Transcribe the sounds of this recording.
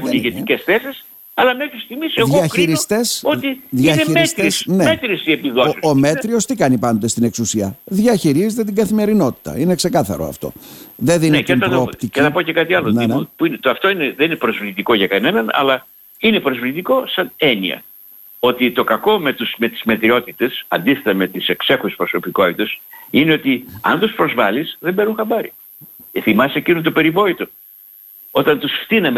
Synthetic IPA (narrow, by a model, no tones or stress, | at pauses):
puniʝeicesθesis | ɐlɐmekist̪iɣmiseðɣoiɐçɾiɾiot̪esot̪iðiiɐneimiest̪ɾeisnemet̪ɾiisiepiðosome̞t̪ɾio̞st̪ikɐnipɐnot̪est̪ine̞ksusiɐðʝɐçiɾizet̪e̞t̪iɡɐθime̞ɾino̞t̪i̥t̪ɐ̰ine̞kse̞kɐθɐ̰ɾo̰ɐ̰ft̪o̞̰ðeðinieɐpɾoːpt̪iceθiɐpocekɐt̪iɐlonnepuinet̪oɐft̪o̞ineðeninepɾo̞zvlit̪iko̞ʝɐkɐne̞nɐnɐ̰lɐ | ine̞pɾo̞zvlit̪iko̞sɐneniɐ̰ | o̞t̪it̪o̞kɐko̞me̞t̪usme̞t̪i̥zmet̪ɾio̞t̪it̪e̞sɐnd̪isθe̞t̪ɐme̞t̪ise̞kse̞xuspɾo̞so̞piko̞t̪it̪e̞sineo̞t̪iɐ̰nt̪uspɾo̞zvɐlisðembe̞nuŋxɐmbɐɾḭ | θimɐsecinut̪upe̞ɾivo̞it̪u | o̞t̪ɐnt̪usft̪inem